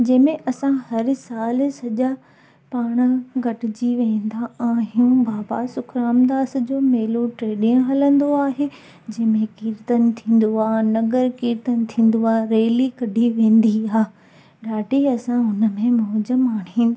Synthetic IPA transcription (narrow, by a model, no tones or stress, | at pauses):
d͡ʑɐ̃ɦmẽʔɐsãhɐɾsaːlsɐʄa | paːɽ̃ə̆ɡʱɐʈɪd͡ʑiʋẽːnd̪aaːɦiũbaːbasʊkʰɾaːmd̪aːsd͡ʑoːmeːloʈɾeːɗɪ̃ʊ̃ɦɐlə̃nd̪oaːɦeː | d͡ʑɐ̃ɦɪ̃mẽkiːɾt̪ənɪ̆t̪ʰĩːn̆d̪oaːnɐɡəɾkiːɾt̪ənɪ̆t̪ʰĩːnd̪oaːɾeːlikɐɖʱiʋẽːn̆d̪iaː | ɖaːʈiɐsãɦʊnəmẽmɔɦd͡ʑəmaːɳ̤̃ĩːn